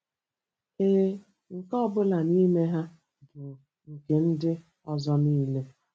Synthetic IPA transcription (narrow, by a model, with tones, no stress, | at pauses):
e˦ɦe˦ | ŋ̩˨kɔ˦bʊ˦la˨ni˦me˦ɦa˦ | bʊ˨ | ŋ̩˨ke˨n̩˦dɪ˦ | ɔ˦zɔ˦niː˦le˦